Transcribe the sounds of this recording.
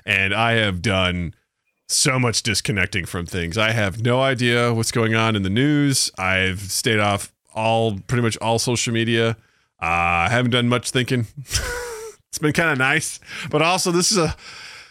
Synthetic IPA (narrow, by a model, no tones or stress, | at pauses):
ʔɨ̃naɪɨvdʌ̃n | soʊmʌt͡ʃd̥ɨskʰɨnɛk̚tɪ̃ŋfɹʌ̃mθɪ̃ŋzaɪɨvnoʊaɪdiɨwʌtsɡ̥oʊɪ̃ŋə̃nɨ̃nðɨnʉz̥aɪv̥steɪɾɔf | ʔɔlˠpʰɹ̥ɪɾimʌt͡ʃɔlˠsoʊʃl̩ˠmiɾiɨ | ʔʌaɪhævɨ̃n̩d̥ʌ̃nmʌt͡ʃθɪ̃ŋkɪ̃ŋ | ɪtsb̥ɨ̃nkʰãɪ̃ndɨnaɪsb̥ʌɾɔlˠsoʊðɪsɨzə